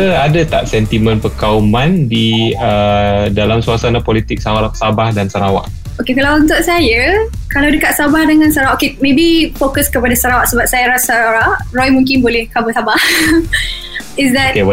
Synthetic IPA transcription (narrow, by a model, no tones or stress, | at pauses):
əadat̪a̰ʔsɛnt̪imə̃npəkaumãndiədalamsuasanapɔlit̪ɪk̚sawasabahdansəɾawa̰ʔ | okekalawunt̪ʊʔsajə | kalawdəkat̪̚sabahdəŋãnsaɾawaʔokemẽbifokəskəpadasəɾawaʔsəbap̚sajaɾasaɾaɾaʔrɔjmũŋkɪnbolɛhkabusabah | ɪsdɛt̚ke